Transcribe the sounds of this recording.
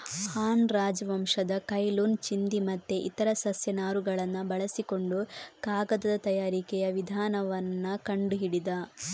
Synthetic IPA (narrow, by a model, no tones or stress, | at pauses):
haːnɾaːd͡ʒʋɐmʂɐd̪ɐkɐjluːnt͡ʃind̪imɐt̪ːeʔit̪ɐɾɐsɐsjɐnaːɾuɡɐɭɐnːɐbɐɭɐsiko̞ɳɖukaːɡɐd̪ɐd̪ɐt̪ɐjaːɾikɛjɐʋid̪ʱaːnɐʋɐnːɐkɐɳɖuɦiɽid̪ɐ